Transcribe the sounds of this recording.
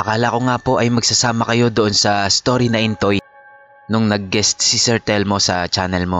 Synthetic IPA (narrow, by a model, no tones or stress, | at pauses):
ʔɐkaːlɐko̞ŋapo̞ʔɐjmɐɡsɐsaːmɐkɐjo̞d̪oʔonsɐst̪o̞ːɾinɐʔɪnt̪o̞j | nʊŋnɐɡ̚ːɛst̪sisɛɹt̪ɛlmo̞sɐt͡ʃaːnɛlmo